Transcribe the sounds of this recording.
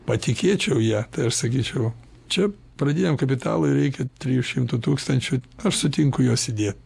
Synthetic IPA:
pɐt̪ʲɪkʲeːt͡ʃʲɛʊjæːt̪ɐɪɐʃsɐkʲiːt͡ʃʲɛʊ | t͡ʃʲɛ | pɾɐd̪ʲiːnʲɛmkɐpʲɪt̪ɑ̰ːlˠʊɪɾʲɛɪkʲɛt̪ʲɾʲijuʃʲɪmt̪ʊt̪uːkst̪ɐnʲt͡ʃʲʊɐʃsʊt̪ʲɪŋkʊjoːsɪd̪ʲeːt̪̚ʲ

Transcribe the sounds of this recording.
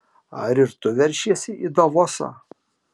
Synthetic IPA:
ɐ̰ɾɪɾt̪ʊʋʲɛɾʲʃʲiɛsʲɪiːd̪oʋɔsɐ̰

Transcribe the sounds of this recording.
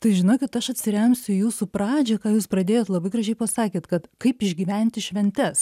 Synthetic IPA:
t̪ɐɪʒʲɪnoːkʲɪt̪ɐʃɐt̪ʲsʲɪɾʲɛmʲsʲʊjuːsupɾɑːd͡ʒʲɛkɑːjuːspɾɐd̪ʲeːjoːt̪lˠɐbɐɪɡɾrɐʒʲɛɪpɐsɑːkʲeːt̪kɐt̪kɐɪpɪʒʲɡʲiːʋʲɛnʲt̪ʲɪʃʲʋʲɛnʲt̪ʲɛs

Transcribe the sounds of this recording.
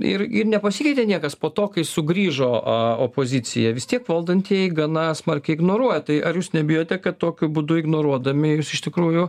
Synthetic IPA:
ɪ̰rɪrnʲɛpɐsʲikʲɛɪt̪ʲenʲiɛkɐspoːt̪oːkɐɪsʊɡɾʲiːʒoːɐopoːzʲɪt͡s̪ʲɪ̰jɛʋʲɪst̪ʲiɛkʋɐlˠd̪ɐnʲt̪ʲiɛjɡɐnɐsmɐrʲkʲɛɪɪɡnoːɾuɔjɛt̪ɐɪʔɐrjuːsnʲɛbʲɪjoːt̪ʲɛkɐtt̪oːkʲʊbʊd̪ʊɪɡnoːɾuɔd̪ɐmʲɪjuːsɪʃt̪ʲɪkɾuːjʊ

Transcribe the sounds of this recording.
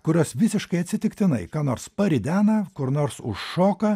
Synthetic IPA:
kʊɾʲoːsʋʲɪsʲɪʃkɐɪɐt̪ʲsʲɪt̪ʲɪkt̪ʲɪnɐɪkɑːnoːɾspɐɾʲɪd̪ʲæːnɐkʊɾnoːɾsʊ̰ʃːoːkɐ

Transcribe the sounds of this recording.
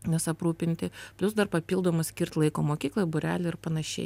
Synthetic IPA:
nʲɛsɐpɾuːpʲɪnʲt̪ʲɪpʲlʲʊsd̪ɐɾpɐpʲiːlˠd̪oːmɐsʲkʲɪɾʲt̪lˠɐɪkoːmoːkʲiːklˠoːjbʊɾʲæːlʲɪɪɾpɐnɐʃʲɛ̰ɪ

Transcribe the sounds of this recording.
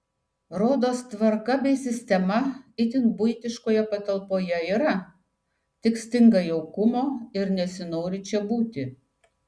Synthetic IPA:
ɾoːd̪oːst̪ʋɐɾkɐbʲɛɪsʲɪsʲt̪ʲɛmɐɪt̪ʲɪnbʊɪt̪ʲɪʃkoːjɛpɐt̪ɐlˠpoːjɛiːɾɐ | t̪ʲɪksʲt̪ʲɪŋɡɐjɛʊkʊmoːɪɾnʲɛsʲɪnoːɾʲɪt͡ʃʲɛbuːt̪ʲɪ

